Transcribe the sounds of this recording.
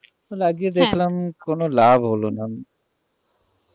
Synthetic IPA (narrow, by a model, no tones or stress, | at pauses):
tolaɡied̪ekʰlamkonolabʱɦolona